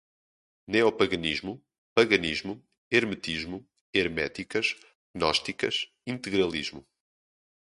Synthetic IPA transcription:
neɔpɐɣɐniʒmu | pɐɣɐniʒmu | eɾmɨt̪iʒmu | eɾmɛt̪ikɐʃ | nɔʃt̪ikɐ̰ʃ | ĩnt̪ɨɣɾɐlˠiʒmu

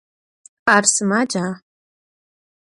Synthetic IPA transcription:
arsɨmad͡ʒa

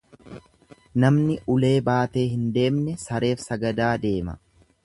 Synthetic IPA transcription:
nɐmnɪʔʊle̞ːbaːt̪e̞ːɦɪnd̪e̞ːmnɛsɐɾe̞ːfsɐɡɐd̪aːd̪e̞ːmɐ̰

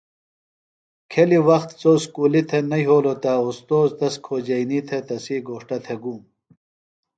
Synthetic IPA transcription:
kʰeliwɐxt̪t͡soːskuːlit̪ʰenɐjɦoːlot̪ɐost̪oːzt̪ɐskʰoːd͡ʑɐinit̪ʰet̪ɐsiːɡoːʂʈɐt̪ʰeɡuːm

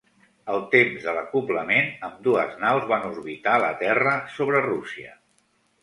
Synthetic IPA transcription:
əlˠt̪emzðələkupləmenəmd̪uəznawzβanuzβit̪alət̪ɛrəsoβɾərusiə̰

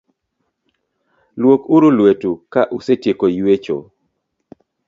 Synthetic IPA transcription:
lwokuɾulwetukaʔusetjekojwet͡ʃo̰

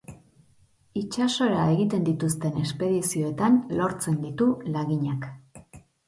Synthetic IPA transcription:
it͡ʃaso̞ɾae̞ɣit̪e̞nd̪it̪ust̪e̞ne̞spe̞ðisio̞et̪anlo̞ɾt͡se̞nd̪it̪ulaɣiɲak

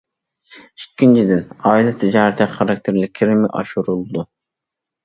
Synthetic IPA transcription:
ikʲʰːint͡ʃʰid̪ɪnɑːilˠɛt̪ʰɪd͡ʒɑːɾɪt̪ʰɛχɑɾɑk̚ʲt̪ʰeɾlɪkʲʰːɪɾɪmɪʔɑ̰ʃuɾulˠd̪u

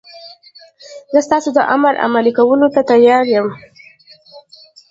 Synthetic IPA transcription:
zəst̪ɑsod̪əʔa̰maɾʔa̰malikawəlot̪at̪ajɑɾjəm

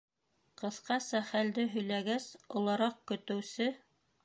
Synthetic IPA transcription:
qɤ̆θqɑsɑχæld̪ɘɦɵ̆jlæɡæsŏlˠɑɾɑq̚kɵ̆t̪ɵ̆wsɘ

